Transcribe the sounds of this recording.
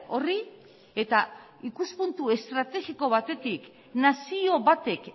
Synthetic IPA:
o̞ri | e̞t̪a | ikuspunt̪ue̞st̪ɾat̪e̞ɣiko̞βat̪e̞t̪ik | nasio̞βat̪e̞k

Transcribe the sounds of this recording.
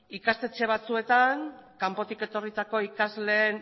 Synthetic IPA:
ikast̪e̞t͡ʃe̞β̞at͡sue̞t̪aŋkampo̞t̪ike̞t̪o̞rit̪ako̞ikazle̞ːn

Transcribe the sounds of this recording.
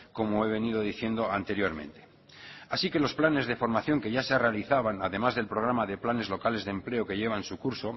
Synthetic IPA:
ko̞moe̞β̞e̞nið̞o̞ð̞iθjend̪o̞ant̪e̞ɾjo̞ɾmẽ̞̰nt̪e̞̥ | asike̞lo̞splane̞zðe̞fo̞ɾmaθjo̞ŋke̞ʝaserealiθaβanaðe̞mazðe̞lpɾo̞ɣ̞ɾamaðe̞plane̞zlo̞kale̞zðemple̞oke̞ʝe̞βansukuɾso̞

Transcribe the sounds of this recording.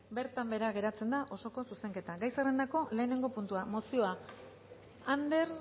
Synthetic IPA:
be̞ɾt̪ambe̞ɾaɣ̞e̞ɾat͡se̞nd̪aʔo̞so̞ko̞suse̞ŋke̞t̪aɡajsarend̪ako̞le̞ːne̞ŋɡo̞punt̪uamo̞sio̞a | and̪e̞ɾ

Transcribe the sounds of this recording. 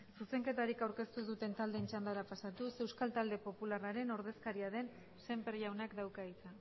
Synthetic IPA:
suse̞ŋke̞t̪aɾikawɾke̞st̪uðut̪e̞nt̪ald̪e̞ːnt͡ʃand̪aɾapasat̪use̞wskalt̪ald̪e̞po̞pularaɾe̞no̞ɾð̞e̞skaɾiaðe̞n | se̞mpeɾʝawnakd̪awkait͡sa

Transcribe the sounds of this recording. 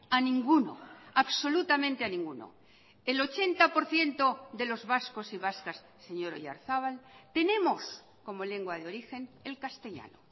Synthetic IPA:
anĩŋɡuno̰aβso̞lut̪amẽnt̪eanĩŋɡuno̰ | e̞lo̞t͡ʃe̞nt̪apo̞ɾθje̞nt̪o̞ðe̞lo̞zβasko̞siβ̞askasːe̞ɲo̞ɾo̰ʝa̰ɾθaβ̞alt̪e̞nẽ̞mo̞s | ko̞mo̞le̞ŋɡwaðeo̞ɾixe̞ne̞lkast̪e̞ʎa̰no̰

